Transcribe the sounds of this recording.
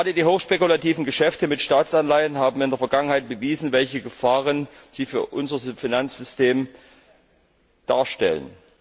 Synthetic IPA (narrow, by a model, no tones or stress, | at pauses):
aːdədiːɦoːxʃpekulatʰiːvn̩ɡəʃɛftəmɪtʃtaːt͡sanlaɪənɦaːbm̩ɪndeːɐfɐɡaŋənhaɪt̚b̥əviːzn̩vɛlçəɡəfaːʁənz̥iːfyːɐʔʊnzɐfinant͡sz̥ʏsteːm | d̥aːɐʃtɛ̰lə̰n